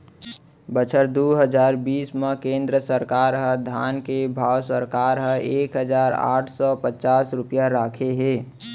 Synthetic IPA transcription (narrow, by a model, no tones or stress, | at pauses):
bət͡ʃʰəɾd̪uɦəd͡ʒaːɾbiːsmẽkẽːnd̪ɾəsəɾkaːɾɦə̃d̪ʱaːnkebʱaːwsəɾkaːɾɦə̃eːkɦəd͡ʒaːɾa̰ːʈʰsɔpət͡ʃaːsɾʊpjaɾaːkʰeɦeː